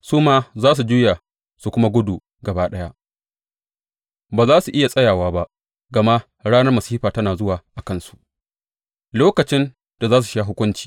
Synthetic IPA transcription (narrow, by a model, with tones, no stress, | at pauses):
suː˦maː˦zaː˦s̬u˨d͡ʒuː˦ja˨ | su˨kʷʊ˦ma˦ɡʷʊ˦duː˨ | ɡɐ˨baː˦ɗɐ˦ja˦ʔ | baː˨zaː˦su˨ʔɪ˦ja˨sʼɐ˦jaː˨waː˦ba˦ | ɡɐ˨ma˦ | ɽaː˦nɐ˦rmɐ˨siː˦ɸaː˨tɐ˦naː˨zʊ˦waː˨ʔa˨kɐ˦nsu̥˨ʔ | loː˦kɐ˨t͡ʃɪ˦n | da˨zaː˦s̬u̥˨ʃa˦ɦʊ˦kʷʊ˦nt͡ʃi̥ː˨